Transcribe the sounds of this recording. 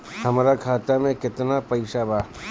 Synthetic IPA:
hɐmɾakʰaːt̪amẽkɪt̪napɐɪʃabaː

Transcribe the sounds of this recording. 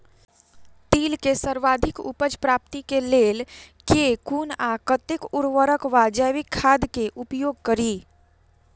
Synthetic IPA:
t̪iːlkesəɾʋaːd̪ʱɪkʊ̰pəd͡ʒpɾaːp̚t̪ikeleːlkeːkuːnakət̪ɪkʊɾʋəɾəkʋaːd͡ʒəːʋɪkʰːaːd̪keʔʊpjoːɡ̚kəɾiː

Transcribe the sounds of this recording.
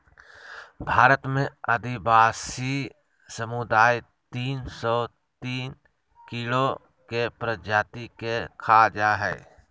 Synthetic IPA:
bʱaːɾət̪mẽəd̪ɪbaːsi | səmʊd̪aːj | t̪iːnsɔ | t̪iːn | kilo | kepɾəd͡ʒaːt̪ikekʰaːd͡ʒaːɦɛ̰ː

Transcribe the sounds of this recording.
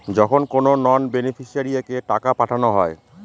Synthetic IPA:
d͡ʑɔkʰonkononɔnbenifʰiʃiaɾiakeʈakapaʈʰanoɦɔe

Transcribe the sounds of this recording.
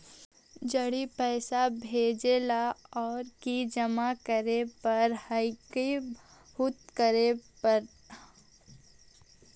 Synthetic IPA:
d͡ʒɐɽipɛːsabʱeːd͡ʒelaɔːɾkid͡ʒɐmakəɾepɐɾhɐɪki | hʊt̪kəɾepɐɾ

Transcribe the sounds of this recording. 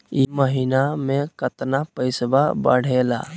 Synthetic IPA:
iməɦinamẽkət̪napəɪsbabə̰ɽ̤ela̰ː

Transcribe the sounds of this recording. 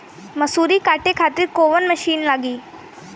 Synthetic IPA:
məsuːɾiːkaʈekʰat̪iːɾkoʋənməʃiːnlaːɡiː

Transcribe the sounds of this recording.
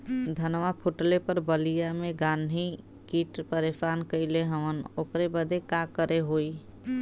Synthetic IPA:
d̪ʱənʋapʰuʈlepəɾbəlijameɡanɦi | kiʈpəɾesankəɪleɦəmənokɾebəd̪ʱekakəɾeɦoi

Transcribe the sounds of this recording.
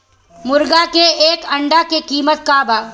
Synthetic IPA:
mʊɾɡakeeːkɐ̃ɳɖakekiːmət̪̚kaːbaː

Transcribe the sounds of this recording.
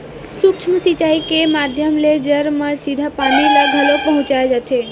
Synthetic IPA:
sukt͡ʃʰməsit͡ʃaikemad̪ʱjəmled͡ʒəɾmə̃sid̪ʱapanilaɡʱəlopəɦʊ̃t͡ʃajed͡ʒat̪ʰe

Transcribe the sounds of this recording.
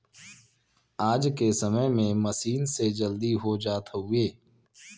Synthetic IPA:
aːd͡ʒkesəməjmẽməsiːnsed͡ʒəld̪iɦod͡ʒaːt̪ʰɦueː

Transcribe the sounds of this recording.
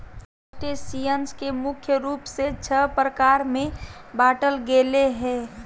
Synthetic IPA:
ʈesiənskemʊkʰjəɾuːpset͡ʃʰəpɾəkaːɾmẽbaːʈəlɡeːleɦɛ̃ː

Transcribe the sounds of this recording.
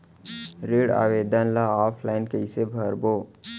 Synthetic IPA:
ɾeːɽa̰ːʋeːd̪ənlaaːpʰlaːɪnkəɪsebʱəɾboː

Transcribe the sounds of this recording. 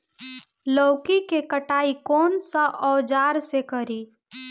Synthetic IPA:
ləːʊkikekəʈaːikɔːnsəʔɔːd͡ʒaːɾsekəɾiː

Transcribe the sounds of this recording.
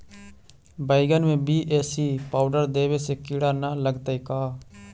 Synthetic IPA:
baːɪɡənmẽbiːʔeːsipaːʊɖəɾd̪eːwesekɪɽanaləɡt̪aikaː

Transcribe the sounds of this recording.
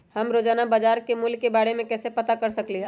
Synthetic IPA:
ɦɐmɾoːd͡ʒaːnabad͡ʒaːɾkemʊlkːebaːɽemẽkɛːsepɐt̪akɐɾsɐkliɦ

